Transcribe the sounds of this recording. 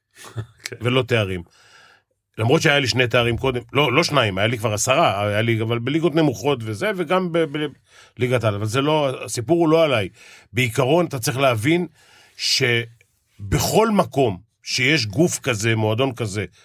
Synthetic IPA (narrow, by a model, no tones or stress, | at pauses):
velo̞t̪e̞aʁim | lamʁo̞t̪ʃeajaliʃnejt̪̬e̞aʁimko̞d̪e̞mlo̞lo̞ʃnaimajalikvaʁasaʁajaliavalbeliɡo̞tne̞muχo̞t̪ve̞ze̞veɡambebe | liɡat̪alavalzelo̞aasipuʁulo̞alajbeikaʁo̞nat̪at͡sʁiχleavin | ʃe̞ | be̞χo̞lmako̞m | ʃe̞jeʃ̬ɡufkaze̞mo̞ad̪o̞nkaze̞